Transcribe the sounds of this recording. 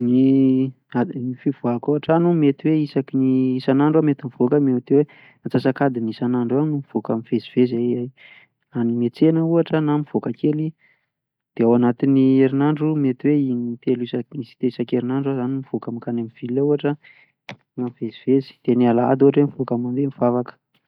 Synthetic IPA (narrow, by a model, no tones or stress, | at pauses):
ni | anifivakuaʈ͡ʂanumet̪iweisakiniisanaɳɖ͡ʐamet̪imiv̥okəmeat̪ewe | at͡sasakad̪inisanaɳɖ͡ʐanumiv̥okamiv̥eziv̥ezaaj | animet͡senəuaʈ͡ʂənamiv̥okakeli | d̪̥eawanat̪inieɾinaɳɖ͡ʐumet̪iweinit̪elisaisi̥t̪eisakeɾinaɳɖ͡ʐazanimiv̥okamikanamiv̥ilauaʈ͡ʂə | ŋamiveziv̥ezi̥d̪̥enialaa̰d̪uɦaʈ͡ʂwemivokamamb̪emiv̥avakə̥